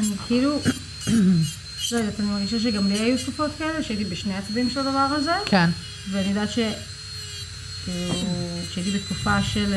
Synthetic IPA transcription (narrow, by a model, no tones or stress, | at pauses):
anikʰilu | zedot̪animaʁɡiʃaʃ̬eɡamliajuʃufo̞t̪kaeleʃeait̪ibeʃnejat͡sabimʃelad̪avaʁaze̞kʰen | veaniod̪at̪ʃe | kiluʃeait̪̬ibet̪kufaʃe̞l